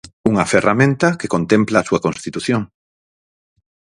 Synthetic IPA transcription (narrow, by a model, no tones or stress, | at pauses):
uŋɐferamẽnt̪ɐkekont̪emplaːsuɐkonst̪it̪uθjoŋ